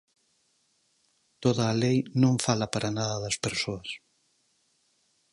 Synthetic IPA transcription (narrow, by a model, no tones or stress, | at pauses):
t̪oðaːlejnõŋfalɐpaɾʔanaðɐðɐspeɾsoɐs